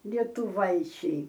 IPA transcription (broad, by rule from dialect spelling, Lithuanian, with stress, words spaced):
lʲiɛtʊˈʋɐɪt͡ʃʲɛɪ